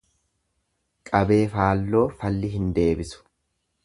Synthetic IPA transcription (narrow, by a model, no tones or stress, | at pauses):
kʼɐbe̞ːfaːlːo̞ːfɐlːɪɦɪnd̪e̞ːbɪsʊ̥